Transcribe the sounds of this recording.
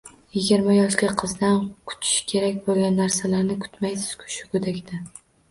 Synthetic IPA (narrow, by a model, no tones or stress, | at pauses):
jɪɡʲɪɾmajɒʃlʲaqʰɨzd̪ankʰʊ̥t͡ʃ̪ʰɪ̥ʃkʲʰe̞ɾakʲbolˠɡʲanːaɾsalaɾnɪkʰʊ̥t̪majsɪz̥kʰʊ̥ʃɪkʰʲʊd̪akʲd̪ɪ